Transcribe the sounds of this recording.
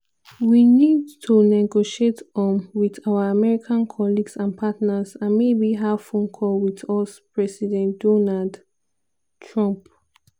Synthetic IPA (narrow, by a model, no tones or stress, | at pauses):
winidtʰunɛɡoʃietɔ̃nwiðawaamɛɹikʰãnkʰɔliɡsãnpʰatnazãnmebiɦafõnkʰɔlwiðɔspʰɹɛsidɛ̃ndɔnald | tʰɹɔ̃mp